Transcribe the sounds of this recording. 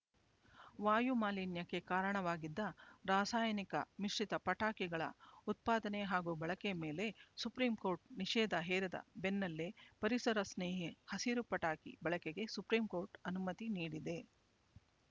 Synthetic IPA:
ʋaːjumaːliːnjɐkːe̞kaːɾɐɳɐʋaːɡid̪ːɐɾaːsaːjɐnikɐ̰miʂʈit̪ɐpɐʈaːkiɡɐɭɐ̰ut̪̚paːd̪ɐneɦaːɡuːbɐɭɐkeɐmeːle̞supɾiːmko̞ːɾʈniʂɛːd̪ɐɦeːɾɐd̪ɐ̰benːɐlːepɐɾisɐɾɐsneːɦehɐsiɾupɐʈaːkḭbɐɭɐkeɡe̞supɾiːmko̞ːɾʈɐnumɐt̪iniːɽid̪e̞

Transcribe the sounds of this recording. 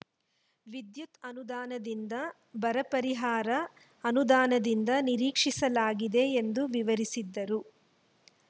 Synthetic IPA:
ʋid̪jut̪ɐnud̪aːnɐd̪ind̪ɐ | bɐɾɐpɐɾiɦaːɾɐː | nud̪aːnɐd̪ind̪ɐniɾiːkʂisɐlaːɡid̪e̞ːnd̪uʋiʋɐɾisid̪ːɐɾu

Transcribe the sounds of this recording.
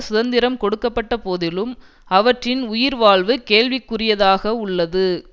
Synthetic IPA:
sʊðɐnd̪ɪɾɐmkɔɽɯkːɐpːɐʈːɐpoːðɪlɯm | ɐʋɐʈrɪnʊjɪɾʋaːɭʋɯkeːɭʋɪkːɯrɪjɐðaːɣɐʊɭːɐðɯ

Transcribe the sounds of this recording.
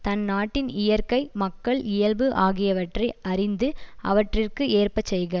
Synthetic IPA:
t̪ɐnːaːʈːɪnɪjɐɾkɐɪmɐkːɐɭɪjɐlbɯʔaːɣɪjɐʋɐʈrɐɪʔɐɾɪnd̪ɯɐ̰ʋɐʈrɪrkɯeːrpɐt͡ʃːɛjɣɐ

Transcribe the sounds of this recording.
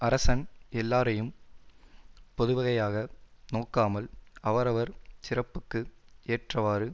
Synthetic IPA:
ɐɾɐsɐnɛlːaːɾɐjɯm | pɔðɯʋɐɣɐjaːɣɐnoːkːaːmɐlɐʋɐɾɐʋɐɾsɪrɐpːɯkːɯeːʈrɐʋaːɾɯ

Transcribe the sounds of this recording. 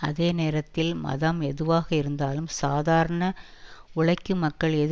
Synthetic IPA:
ɐðeːneːɾɐt̪ːɪlmɐ̰ðaːmɛðɯʋaːɣɐɪɾɯnd̪aːlɯmsaːðaːɾɐɳɐ | ʊɭɐɪkːɯmɐkːɐɭɛð

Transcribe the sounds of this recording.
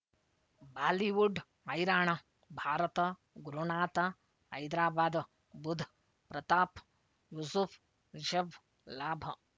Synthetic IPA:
baːliʋuɖ | ɐjɾaːɳɐ | bʱaːɾɐt̪ɐ | ɡuɾuɳaːt̪ɐ | ɐ̰jd̪ɾaːbaːd̪ | bud̪ʱ | pɾɐt̪aːp | jusufʰ | ɾiʃɐb | laːbʱɐ

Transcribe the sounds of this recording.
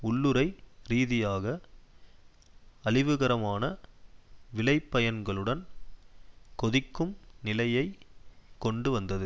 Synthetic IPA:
ʊɭːɯɾɐɪɾiːðɪjaːɣɐ | ɐlɪʋɯɣɐɾɐmaːnɐ | ʋɪlɐɪpːɐjɐnɡɐɭɯɽɐn | kɔðɪkːɯmnɪlɐjɐɪkːɔɳɖɯʋɐnd̪ɐðɯ

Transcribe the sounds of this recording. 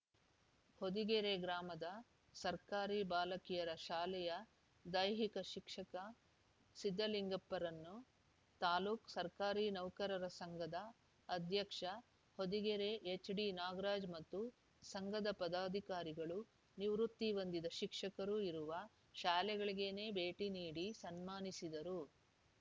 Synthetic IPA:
hod̪iɡeɾeɡɾaːmɐd̪ɐ | sɐɾkaːɾibaːlɐkijɐɾɐʃaːlɛjɐ | d̪ɐjɦikɐʃikʂɐkɐ | sid̪ːɐliŋɡɐpːɐɾɐnːu | t̪aːluːksɐɾkaːɾinɐwkɐɾɐɾɐsɐŋɡɐd̪ɐː | d̪ʱjɐkʂɐ | hod̪iɡeɾe̞ʔet͡ʃːɖinaːɡɾaːd͡ʒmɐt̪ːu | sɐŋɡɐd̪ɐpɐd̪aːd̪ʱikaːɾiɡɐɭu | niʋɾut̪ːiʋɐnd̪id̪ɐʃikʂɐkɐɾuiɾuʋɐ | ʃaːlɛɡɐɭiɡe̞neːbeːʈiniːɽisɐnmaːnisid̪ɐɾu

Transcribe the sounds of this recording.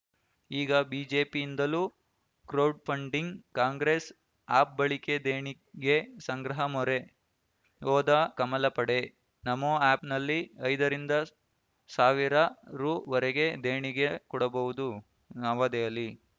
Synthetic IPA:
iːɡɐbiːd͡ʒe̞ːpiːnd̪ɐlu | kɾɐwɖ̚pʰɐɳɖiŋkaːŋɡɾeːs | aːp̚bɐɭike̞d̪eːɳi | ɡe̞sɐŋɡɾɐɦɐmɔɾe̞ | ɔːd̪ɐkɐmɐlɐpɐɽe̞ | nɐmoaːpnɐlːiɐjd̪ɐɾind̪ɐ | saːʋiɾɐɾuʋɐɾeɡe̞d̪eːɳiɡe̞kɔɽɐbɐʋud̪u | nɐʋɐd̪ɛjɐli

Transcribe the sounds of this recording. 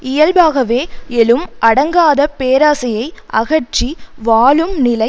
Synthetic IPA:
ɪjɐlbaːɣɐʋeːɛlɯmʔɐɽɐŋɡaːðɐpeːɾaːsɐjɐɪʔɐ̰ɣɐʈt͡ʃːiʋaːlɯmnɪlɐ

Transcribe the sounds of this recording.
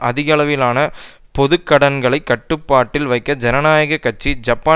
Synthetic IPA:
ʔɐðɪɣɐlɐʋɪlaːnɐ | pɔðɯkːɐɽɐnɡɐɭɐɪkːɐʈːɯpːaːʈːɪlʋɐɪkːɐd͡ʒɛnɐnaːjɐɣɐkːɐt͡ʃːid͡ʒɐpːaː

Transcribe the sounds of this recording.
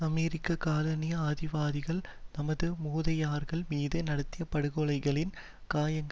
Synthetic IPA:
ɐmeːɾɪkːɐkaːlɐnɪjɐaːðɪʋaːðɪɣɐɭt̪ɐmɐðɯmuːðɐjaːɾɣɐɭmiːðeːnɐɽɐt̪ːɪjɐpɐɽɯɣɔɭɐɪɣɐɭɪn | kaːjɐŋɡ

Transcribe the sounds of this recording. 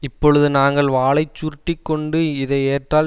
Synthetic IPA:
ɪpːɔɻɯðɯnaːŋɡɐɭʋaːɭɐɪt͡ʃːʊrʈːɪkːɔɳɖɯɪðɐɪeːʈraːl

